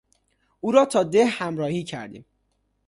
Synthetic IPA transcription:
uːɾɒːt̪ʰɒːd̪ehhæmɾɒːhiːcʰæ̰ɾd̪ḭːm

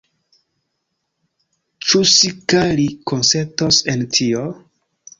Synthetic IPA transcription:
t͡ʃusikalikʰonseɾtosentʰio

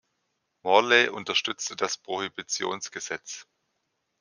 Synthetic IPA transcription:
mɔɐleʔʊntɐʃtʏt͡stədaspʁ̥ohibit͡sjo̰ːnsɡ̥əzɛt͡s

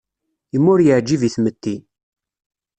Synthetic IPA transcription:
imːʊɾjəʕd͡ʒːiviθmət̪ːi

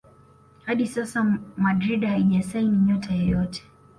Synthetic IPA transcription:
haɗisasamadɾiɗhaiʄasainiɲɔtʰajɔjɔtʰɛ̥

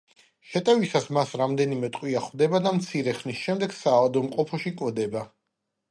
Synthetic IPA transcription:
ʃɛt̪ʼɛvisasmasɾamd̪ɛnimɛt̪ʼqʼwiaχwvd̪ɛbad̪amt̪sʰiɾɛχnisʃɛmd̪ɛɡsaːvad̪ɔmqʼɔpʰɔʃikʼwd̪ɛba

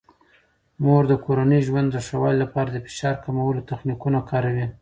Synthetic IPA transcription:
moɾd̪əkoɾanəjʒwand̪ːəʂawɑllapɑɾad̪əfɪ̥ʃɑɾkamawəlot̪axnikunakɑɾawi

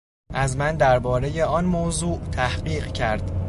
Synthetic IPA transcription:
ʔæzmænd̪æɾbɒːɾe̞je̞ɒːnmozuːʔt̪ʰæhɢiːɢcʰæɾd̪̥

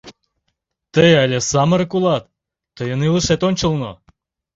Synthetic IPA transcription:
t̪əjɑlʲesɑmə̆ɾkulˠɑt̪ː | əjə̆nilˠəʃet̪onʲt͡ɕə̆lˠno̰

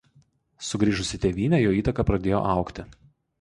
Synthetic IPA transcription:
sʊɡɾʲiːʒʊsʲɪt̪ʲeːʋʲiːnʲɛjoːiːt̪ɐkɐpɾɐd̪ʲeːjo̰ːʔɑˑʊkt̪ʲɪ

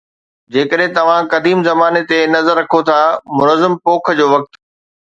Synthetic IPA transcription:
d͡ʑeːkəɗɦɪ̃t̪ɐʋ̤ãkɐd̪iːmzɐmaːnet̪enɐzəɾːɐkʰot̪ʰamʊnəzːəmpoːkʰə̆d͡ʑoːʋɐk̚t̪

